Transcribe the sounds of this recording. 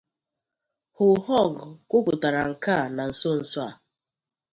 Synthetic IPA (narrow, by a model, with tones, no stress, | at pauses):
hʊ˨hɔ˦˨ɡkʷʊ˦kʷʊ˨ta˨ɾa˨ŋ̩˨ka˦˨na˨n̩˨so˦n̩˨swa̰˨